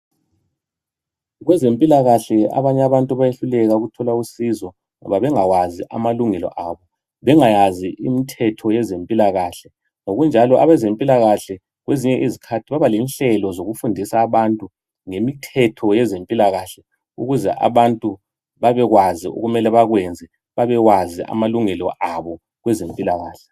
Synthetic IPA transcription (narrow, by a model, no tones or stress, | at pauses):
ɣwɛzempʼilaɣaɬɛa̰βaɲɛaβantʼuβajeɬulɛɣauɣutʰɔlausizɔ | ŋɔ̰βaβɛŋaɣwaziʔa̰maluŋɛlɔ̰ʔaːβɔ | βɛŋajaziʔimitʰɛtʰɔjɛzempʼilaɣaɬɛ | ŋoɣund͡ʒʱalɔʔaβɛzempʼilaɣaɬɛ | ɣweziɲɛʔizikʰatʰiβaβalinɬɛlɔzoɣufundʱisaːβantʼu | ŋemitʰɛtʰɔjɛzempʼilaɣaɬɛ | ṵɣuzɛ̰ʔa̰βantʼu | βaβɛɣwaziṵɣumɛlɛβaɣwɛnd͡zʱɛ | βaβɛwazia̰maluŋɛlɔʔaβɔ | ɣwɛzempʼilaɣaːɬɛ